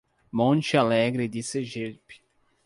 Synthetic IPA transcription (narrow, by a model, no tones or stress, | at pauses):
mõnt͡ʃɪalɛɡɾɪd̪iseʒeɾpi̥